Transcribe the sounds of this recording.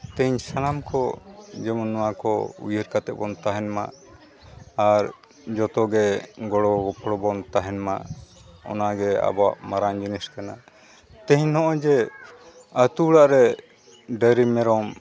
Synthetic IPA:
t̪ɛɲsanamkɔd͡ʒɛmɔnːɔwakɔ̰ṵjəɾkat̪ɛʔ̚bɔnt̪aɦɛnma̰ʔ | aɾ | d͡ʒɔt̪ɔɡɛɡɔɽɔɡɔpʰɽɔbɔnt̪aɦɛnma̰ʔɔ̰naɡɛa̰ba̰ʔmaɾaŋd͡ʒiniskana | t̪ɛ̃ɦɲnɔʔɔd͡ʒɛ | ət̪uɽaʔɾɛ | ɖəɾimɛɾɔm

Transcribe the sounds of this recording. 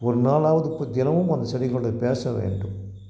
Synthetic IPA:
ɔɾɯnaːlaːʋɐðɯɪpːod̪ɪnɐʋɯmɐnd̪ɐsɐɽɪɣɐɭɯɽɐɪpeːsɐʋḛːɳɖɯm

